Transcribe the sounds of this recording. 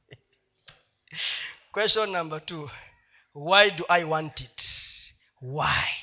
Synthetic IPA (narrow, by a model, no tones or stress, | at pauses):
kwɛsʃɔ̃nːãmbətu | wajduʔajwɔ̃ntit | waj